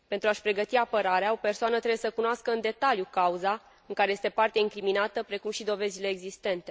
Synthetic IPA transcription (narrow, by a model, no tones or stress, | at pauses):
pe̞nt̪ɾuaʃpɾe̞ɡət̪iapəɾaɾeao̞pe̞rsoanət̪ɾebjesəkunoaskəɨnd̪e̞t̪aljukauza | ɨŋkaɾe̞je̞st̪e̞part̪eiŋkɾiminat̪əpɾe̞kumʃid̪o̞ve̞zile̞ːɡzist̪e̞nt̪e̞